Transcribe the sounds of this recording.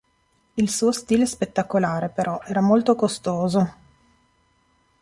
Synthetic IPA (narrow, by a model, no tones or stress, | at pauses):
ilsuːost̪iːlespet̪ːakolaːɾepeɾɔʔɛːɾamolt̪okost̪oːzo